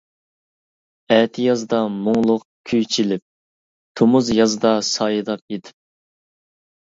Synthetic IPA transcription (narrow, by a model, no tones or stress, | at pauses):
ɛːt̪ʰɪjɑzd̪ɑmʊŋlˠʊq | kʲʰyjt͡ʃʰilɪp̚ | t̪ʰomuzjɑzd̪ɑsɑjɨd̪ɑp̚ed̪ɪ̥p̚